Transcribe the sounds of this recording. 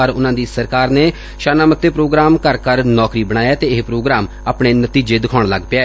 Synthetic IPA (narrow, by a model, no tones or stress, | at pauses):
əɾʊnãːd̪iːsəɾkaːɾneː | ʃaːnaːmət̪ːeːpɾoːɡɾaːmkəɾkəɾnɔːkɾiːbəɽ̃aːjaːt̪eːɪɦpɾoːɡɾaːm | aːpɳeːnət̪iːd͡ʒeːd̪ɪkʰaːɳləɡpɪaːɛ